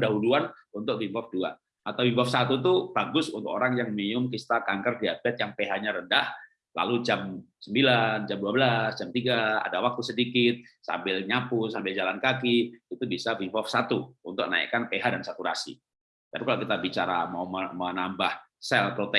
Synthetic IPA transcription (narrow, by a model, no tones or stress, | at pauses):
daɦuluan | unt̪ʊk̚vimbɔfdua̰ | ʔat̪awvimbɔfsat̪ut̪ub̥aɡʊsunt̪ʊkoɾaŋjaŋmiʊmkist̪akaŋkərdiabɛt̪̚jaŋpeɦaɲaɾəndah | la̰lud͡ʒamsəmbiland͡ʒamduabəlasd͡ʒamt̪iɡaa̰dawak̚t̪usədikɪt̪̚sa̰mbɪlɲapʊsambɪld͡ʒalankakiit̪ubisavimbɔfsat̪uunt̪ʊk̚na̰ḭkanpeɦadansakuɾa̰sḭ | t̪apikalakit̪abit͡ʃaɾa̰mauməmənambahsɛlpɾot̪ɛ